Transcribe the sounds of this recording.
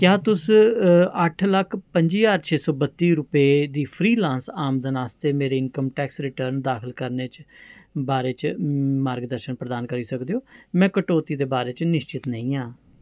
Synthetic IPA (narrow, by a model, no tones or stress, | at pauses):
kjaːt̪ʊs | əʈʰləkʰpəɲd͡ʒiːaːɾt͡ʃʰeːsɔːbət̪ːiːɾʊpeːd̪iːpʰɾiːlãːnsaːmd̪ənaːst̪eːmeːɾeːɪnkəmʈɛːksɾɪʈəɾnd̪aːkʰəlkəɾneːt͡ʃbaːɾeːt͡ʃmaːɾɡd̪əɾʃənpɾəd̪aːnkəɾiːsəkd̪eːɦoːmɛ̃ːkəʈoːt̪iːd̪eːbaːɾeːt͡ʃnɪʃt͡ʃɪt̪nəĩːãː